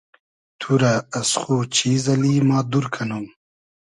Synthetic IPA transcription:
t̪ʰuɾaːsχuːt͡ɕʰiːzɐliːmaːd̪uɾkʰɐnum

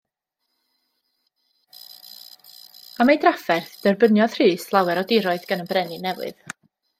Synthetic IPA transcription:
amejdrafɛrθd̥ərbənjɔð̥r̥iːslˠawɛɾɔdɪɾɔɨðɡanənbrɛnɪnɛwɨ̰ð̥

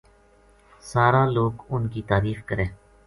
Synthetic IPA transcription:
saːɾaːloːɡʊnkiːt̪aːɾiːfkəɾẽː

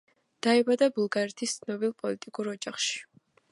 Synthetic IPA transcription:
d̪̥aɛbad̪abulˠɡaɾɛt̪ʰist̪sʰnɔbilˠpʼɔlit̪ʼikʼuɾɔd͡ʒaχʃi̥

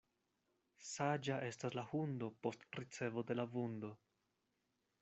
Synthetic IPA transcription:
sad͡ʒaʔe̞staslahundo̞po̞stɾit͡se̞vo̞de̞lavundo̞

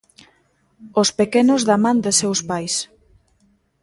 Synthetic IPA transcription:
ospekenozðamãnd̪esewspajs

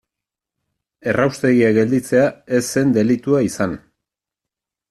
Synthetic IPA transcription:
e̞rawst̪e̞ɣiaɣe̞ld̪it͡se̞ae̞sːe̞nd̪e̞lit̪uaisan

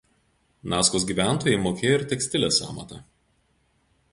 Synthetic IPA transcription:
nɑːskoːsɡʲiːˑʋʲæˑnˑt̪oːjɛɪmoːkʲeːjoɪɾt̪ʲɛkʲsʲt̪ʲɪlʲeːsɑ̰ːmɐ̰t̪ɐ

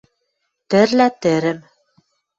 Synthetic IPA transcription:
t̪ɘ̆ɾlæt̪ɘ̆ɾɘ̆m

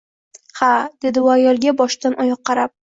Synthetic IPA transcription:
had̪̥e̞d̪ɪʊajɒlˠɡʲabɒʃt̪anʔɒjɒqːɑɾap̚

